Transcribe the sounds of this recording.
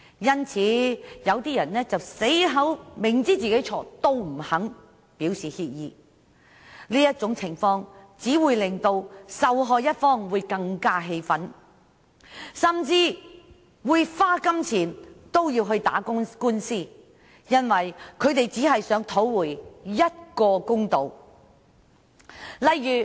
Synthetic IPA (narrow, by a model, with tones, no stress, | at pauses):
jɐ˥nt͡sʰiː˨˧˥jɐ˨˧wt̪iː˥jɐ˨˩nːɛː˥t͡sɐ˨wse˨˥jɦɐ˨˥wmɪ˨˩ŋt͡siː˥t͡siː˨ke˨˥jt͡sʰɔː˨˥t̪o˥wm̩˨˩hɐ˨˥ŋ | piː˨˥wsiː˨hiː˧t̚jiː˨˧ | liː˥jɐ˥t̚t͡sʊ˨˥ŋt͡sʰɪ˨˩ŋfɔː˧ŋt͡siː˨˥wuː˨˧jlɪ˨˩ŋt̪o˧wsɐ˨wɦɔː˧jɐ˥t̚fɔː˥ŋwuː˨˧jkɐ˧ŋkaː˥ɦe˧jfɐ˨˥n | sɐ˨mt͡siː˧ | wuː˨˧jfaː˥kɐ˥mt͡sʰiː˨˩nt̪o˥wjiː˧wɦɵ˧ɥt̪a̰ː˨˥kʊ˥kuː˥nsiː˥ | jɐ˥nwɐ˨jkʰɵ˨˧ɥt̪e˨jt͡siː˨˥ɦɐ˨jsœː˨˥ŋt̪ʰo˨˥wwuː˨˩jjɐ˥t̚kɔː˧kʊ˥ŋt̪o˨w | lɐ˨jːyː˨